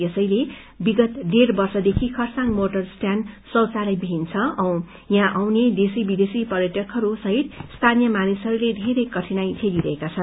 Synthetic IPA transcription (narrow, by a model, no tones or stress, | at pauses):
esʌjle | biɡʌt̪ɖerbʌrsʌd̪ekʰikʰʌrsaŋmoʈʌrsʈjansʌwt͡salʌjbʱint͡sʰʌʌ̃ | jãʔawned̪esibid̪esipʌrjʌʈʌkʰɦʌɾusʌɦit̪st̪ʰanijʌmanisɦʌɾuled̪ʱeɾʌjkʌʈʰinajt͡sʰeliɾʌɦekat͡sʰʌn